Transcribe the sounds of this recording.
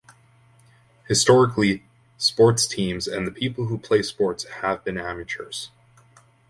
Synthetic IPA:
hɨstɔɹɨkʰli | spɔɹtstʰĩmzɨ̰̃nðɨpʰipl̩ˠɦupʰl̥eɪspɔɹtshəvbɨ̃næmɨt͡ʃə˞z̥

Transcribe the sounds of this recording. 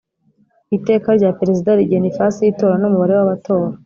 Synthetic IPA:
ite̞ːkaɾɟapeɾe̞zidaɾiɡenifasijito̞ːɾanumuβaɾewaβato̞ːɾa

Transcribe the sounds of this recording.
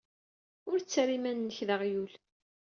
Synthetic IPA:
ʊɾt͡sːɾimænːəçðəʁjul

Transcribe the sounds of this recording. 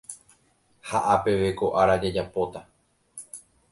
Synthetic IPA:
haʔape̞ʋe̞ko̞ʔaɾad͡ʒad͡ʒapot̪a

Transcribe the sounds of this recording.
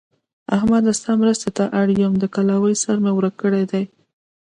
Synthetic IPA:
ahmad̪ast̪ɑmɾəst̪et̪aʔaɽjəmd̪əkalawəjsaɾmewɾəkːəɽed̪aj

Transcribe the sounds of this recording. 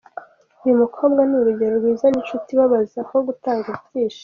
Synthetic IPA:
ujumukʰo̞ːbɡaniɾuɟeɾoɾɡwiːzaninʃutiβaβazakoɡutaːŋɡiβɟiːʃḁ

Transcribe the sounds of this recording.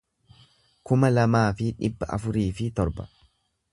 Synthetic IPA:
kʊmɐlɐmaːfɪᶑɪbːɐʔɐ̰fʊɾiːfɪt̪ɔɾbɐ̥̰

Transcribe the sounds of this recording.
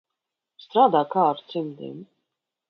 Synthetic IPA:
st̪ɾaːd̪aːkaːɾt̪simd̪ḭm

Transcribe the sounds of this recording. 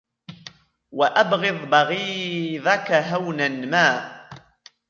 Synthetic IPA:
waʔabɣɪðˤbɑɣiːðˤakaɦawnanmaː

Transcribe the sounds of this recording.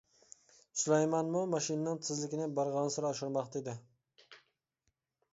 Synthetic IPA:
sulˠɛjmɑnmumɑʃinnɪŋt̪ʰɨzlɪkʲɪnɪbɑɾʁɑnsɪɾɑʃɪɾmɑχt̪ed̪ɪ

